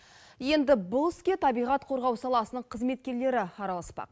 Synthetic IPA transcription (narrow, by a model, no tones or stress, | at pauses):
je̞nd̪ɪbʊlˠɪskʲe̞t̪ʰɑbijʁɑt̪qʰo̞ɾʁɑwsɑlˠɑsənəɴqʰəzme̞t̪̚kʲe̞ɾle̞ɾɪɑɾɑlˠɑspɑ̰q̚